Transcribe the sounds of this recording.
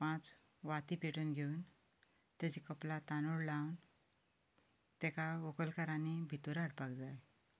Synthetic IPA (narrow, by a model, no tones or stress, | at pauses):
pãt͡s | ʋat̪ipeʈənɡʱeun | t̪ed͡ʑikəplat̪anoɽlawn | t̪ekaʋokəlkaɾanibʱit̪oɾaɽpakd͡zaj